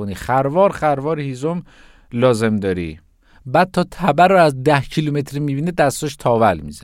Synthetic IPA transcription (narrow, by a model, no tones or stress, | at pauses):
oniːxæɾvɒːɾχæɾvɒːɾhiːzom | lɒːze̞md̪ɒːɾḭː | bæːd̪̚t̪ʰɒːt̪ʰæbæɾoæzd̪æhcʰilumet̪ʰɾimiːbiːned̪æst̪ɔʃt̪ʰɒːvælmḭzæ